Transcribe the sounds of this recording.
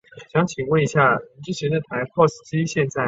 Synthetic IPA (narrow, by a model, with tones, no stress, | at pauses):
ɕjɑ˧˥ŋt͡ɕʰi˨˩ŋwə˥˩ni˧˥ɕja˥˩ʈ͡ʂɻ̩˥t͡ɕʰjɛ˧˥nd̪ə˨t̪ʰa˧˥ɪpʰɔ˥˧s̩˥˩t͡ɕi˥ɕjɛ˥˧nt͡sa˥˩